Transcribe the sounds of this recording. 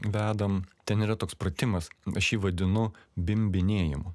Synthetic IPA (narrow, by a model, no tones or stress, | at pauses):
ʋʲæːd̪ɐmt̪ʲɛniːɾɐt̪oːkspɾɐt̪ʲɪmɐsɐʃjiːʋɐd̪ʲɪnʊbʲɪmʲbʲɪnʲeːjɪmʊ